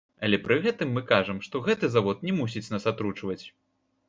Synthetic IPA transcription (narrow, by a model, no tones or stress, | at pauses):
ɐ̰lʲɛpɾɨɣɛt̪ɨmːɨkaʐɐmʂt̪ɔɣɛt̪ɨzavɔt̪nʲɛmus̬ʲit͡sʲnasat̪ɾut͡ʂvɐt͡sʲ